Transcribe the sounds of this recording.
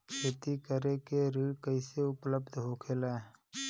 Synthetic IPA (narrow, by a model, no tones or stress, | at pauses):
kʰeːt̪ikəɾekeɾiːɽkəɪseʊpləbd̪ʱɦokʰela